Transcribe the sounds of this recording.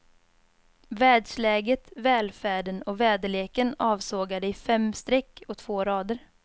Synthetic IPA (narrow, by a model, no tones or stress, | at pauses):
vɛːd̪ʂlɛːɡət̪vɛːlfæːɖənɔvɛːd̪əleːkənɑːvsoːɡad̪əɪfɛmst̪ɾɛkːɔt̪ʰv̥oːɾɑːd̪əɾ